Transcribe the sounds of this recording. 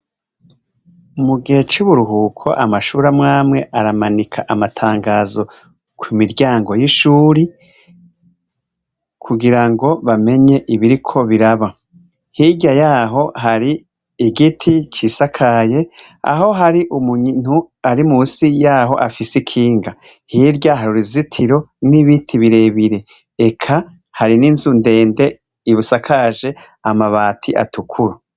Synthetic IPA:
umuɡihe̞t͡ʃuβuɾuɦuːkʰo̞̰ʔamaʃuːɾamŋaːmŋe̞ʔaɾamanikʰaʔamatʰaːŋɡaːzo̞ | kwimiɾɟaːŋɡo̞jiʃuːɾi | kʰuɡiɾaŋɡo̞βame̞ɲe̞ʔiβiɾikʰo̞βiɾaβa | hiɟajaːɦo̞ɦaɾiː | ɡitʰit͡ʃiːsakʰaje̞ | a̰ɦo̞ɦaɾiʔumuɲn̥u | aɾimuːsijaːɦo̞̰ʔafisikʰiːŋɡa | hiɾɟaɦaɾuɾizitʰiɾo̞niβitʰiβiɾe̞βiɾe | ekʰa | haɾiniːnzunde̞ːnde̞ | iβusakʰaʒe̞ | amaβaːtʰiʔa̰tʰukʰuɾa

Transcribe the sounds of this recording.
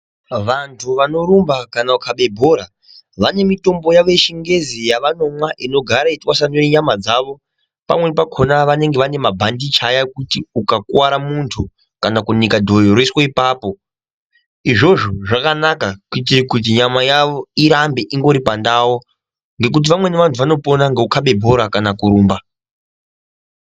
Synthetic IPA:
ʋantʰuʋano̞ɾumbakanaukʰaɓe̞bʱo̞ɾa | ʋane̞mito̞mbo̞jaʋe̞ʃiŋɡe̞zijaʋano̞mwaʔino̞ɡʱaɾaitwasanujeɲamad͡zaʋo̞ | pa̰mwe̞pakʰo̞naʋane̞ŋɡeʋane̞mabʱandit͡ʃajakutiukakuwaɾamuntʰu | kanakunikadʱo̞joɾoiswaipaːpo̞ | iʐo̞ʐoʐakanakakuit̬irikut̬iɲamajaʋo̞iɾambe̞ʔiŋɡo̞ɾipandawo | ŋɡe̞k̬ut̬iʋamwe̞neʋantʰuʋano̞po̞naŋɡe̞ukaɓe̞bʱo̞ɾakanakuɾuːmba

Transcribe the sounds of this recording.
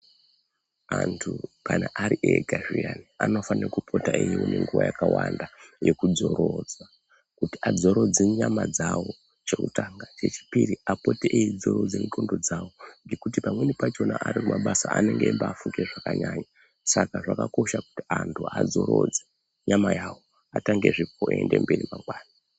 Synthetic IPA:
antʰukanaʔaɾiʔeɡʱarianiano̞fanirekupʰo̞taijiwune̞ŋɡuwajakawandajekud͡zo̞ɾod͡zwa | kutiad͡zo̞ɾo̞d͡zeɲamad͡zawo̞ | t͡ʃe̞kṵtaŋɡat͡ʃe̞t͡ʃi̥piriapo̞tiʔeid͡zo̞ɾod͡zeniko̞ndo̞d͡zawo̞ŋɡe̞kutipamwenipat͡ʃo̞naʔaɾikumaɓasaa̰ne̞ŋɡeːmbaːfuŋɡeʐakaɲaːɲa | sakaʐakako̞ʃaku̥ti̥antʰuad͡zo̞ɾoːd͡ze | ɲamajawo | ataŋɡe̞ʐipoiende̞mbe̞rimaŋɡwaːna

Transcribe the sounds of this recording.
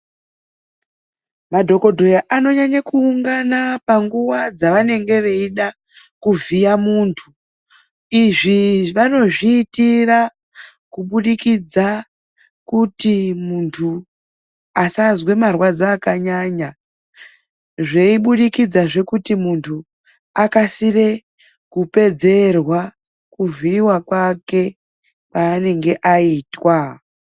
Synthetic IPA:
madʱo̞ko̞dʱo̞jaʔano̞ɲaɲakuːŋɡanapaŋɡuwad͡zaʋane̞ŋɡe̞ʋe̞iɗa | kuvijamuːntʰu | iʐiʋano̞ʐiːtira | kuɓuɗikid͡za | kutimuntʰu | asazwe̞marwad͡zaːkaɲaɲa | ʐeiɓuɗikid͡zaʐe̞kutimuntʰu | akasire̞ | kupe̞d͡ze̞rwa | kuviɾiwakwake̞ | paːne̞ŋɡe̞ʔaiːtwa

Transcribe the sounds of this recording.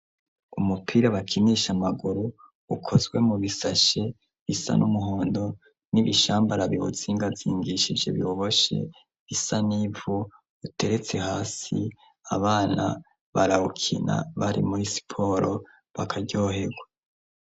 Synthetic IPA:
umupʰiːɾaβakʰiniːʃamaɡuɾuː | kʰo̞zɡwe̞muβisaʃe̞ | βisa̰nʔumuɦoːndo̞ | niβiʃaːmbaɾaβio̰z̥iːŋɡavziːŋɡiʃid͡ʒe̞̰βjoβo̞ʃe̞̰ | βisanivo | utʰe̞ɾe̞t͡se̞ɦaːsi | a̰βaːna̰ | βaɾahukʰḭna̰βaɾḭmuɾisi̥pʰo̞ːɾo̞ | βakʰaɟoɦe̞ɡwa

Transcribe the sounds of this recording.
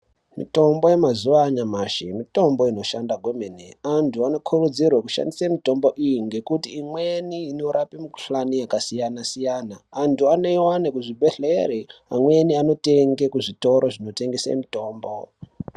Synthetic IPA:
mḭto̞mbo̞jemazuʋaɲamaʃimito̞mbo̞ino̞ʃandaɡʱwo̞menḛantʰuano̞kʰurud͡zirwakuʃa̰ndisamito̞mbo̞ʔijiŋɡe̞kutiːmweniːno̞ɾʔapimuku̥ɬanijakasijanasijaːnaːntuane̞wanekuʐibʱeɬeeɾeamwe̞niano̞te̞ŋɡe̞kuʐito̞ɾo̞ʐino̞te̞ŋɡesḛmito̞ːmbo̞

